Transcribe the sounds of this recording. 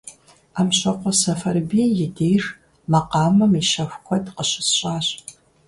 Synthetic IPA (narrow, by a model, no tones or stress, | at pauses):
aːmɕɐqʷɔsɐfɐrbiːjɪdeːjr | mɐqɑːmɐmiʃɐxʷkʷʰɔdqəɕɪsɕʼaːɕʼ